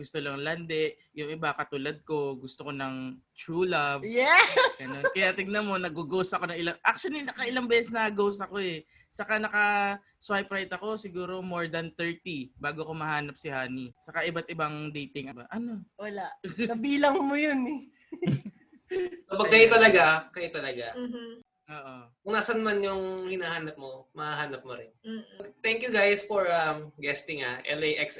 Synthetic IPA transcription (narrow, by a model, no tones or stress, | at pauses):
ɡʊst̪olɐŋland̪ɛʔ | jʊŋʔɪbakɐt̪ulɐd̪̚ko̞ɡʊst̪okonɐŋ | t̪ɹuːlɐvjɛsɡɐnonkɐjat̪ɪŋnɐmo̞nɐɡuɡoːsɐko̞nɐŋʔɪlaŋʔak̚t͡ʃʊɐlinɐkɐʔɪlaŋbɛːsɛsnɐɐɡoːsɐko̞ɛ | sɐkanɐkɐ | swajpɾajt̪ɐko̞sɪɡuːɾo̞mo̞ɹd̪ɐnt̪ɛɹt̪ibaːɡoɐkomɐhaːnɐp̚sɪhaːnisɐkaʔɪbat̪̚ʔɪbaŋd̪ejt̪ɪŋʔɐbaʔɐno̞wɐlaʔnɐbiːlɐŋmojonɛ | sopɐɡkːɐjot̪ɐlɐɡakɐjʊt̪ɐlɐɡa | ʔoːʔokʊŋnaːsɐnmanjʊŋhɪnahaːnɐp̚momɐhaɦaːnɐp̚moɾɪnɡt̪ɛŋkjuɡajsfoɹɐmɡɛst̪ɪŋaʔɛ̰lejʔɛks